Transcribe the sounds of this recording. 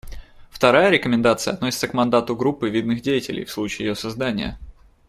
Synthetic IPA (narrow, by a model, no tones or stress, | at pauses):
ft̪ɐɾajəɾʲɪkəmʲɪnd̪at̪sɨjə̰ɐt̪nosʲɪt̪səkmɐnd̪at̪ʊɡɾupːɨvʲid̪nɨxdʲejɪtʲɪlʲɪ̰jfslˠut͡ɕɪːjɪjosɐzd̪anʲɪ̰jə̰